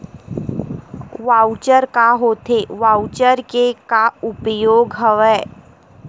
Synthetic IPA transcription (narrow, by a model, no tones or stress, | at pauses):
ʋaːʊt͡ʃəɾkaɦoːt̪ʰeʋaːʊt͡ʃəɾkekaʊpəjoːɡɦəʋɛː